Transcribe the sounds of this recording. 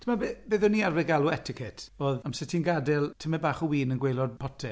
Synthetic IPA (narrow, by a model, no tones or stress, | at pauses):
tʰəmabebeːðɔnːiːarvɛɡaluɛtʰɪkʰɛtʰoːðamsɪtʰinɡadɛlˠtʰəmɛbaːχɔwiːnənɡwejlˠɔd̚pʰɔtʰɛ